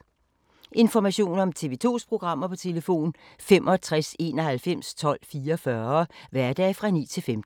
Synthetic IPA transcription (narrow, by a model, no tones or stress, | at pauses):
ʔe̝nfɒmæɕo̝̰ːnɒ̽mt͡sʰe̝ʋe̝t͡sʰo̝̰ːspʰʁo̝ɡ̥ʁɑ̈m̰ɐpʰɒ̽t͡sʰe̝ləfo̝̰ːn | femʔɒ̽t͡sʰʁase̝ːnɒ̽hælfem̰st͡sʰɒ̽l̰fiːɐfɶɐʋæɐd̥ɛ̰ːfʁɑ̈nḭːt͡sʰe̝lfemd̥̩